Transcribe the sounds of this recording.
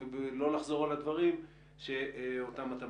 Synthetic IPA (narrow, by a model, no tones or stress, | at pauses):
blo̞laχzo̞ʁalad̪vaʁim | ʃe̞otamat̪a